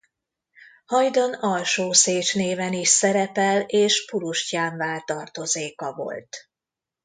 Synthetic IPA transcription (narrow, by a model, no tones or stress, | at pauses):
hɒjd̪onɒlʃoːseːt͡ʃneːvɛniʃsɛɾɛpɛleːʃpuɾuʃcaːɱvaːlt̪ɒrt̪o̞zeːkɒvo̞̰lt̪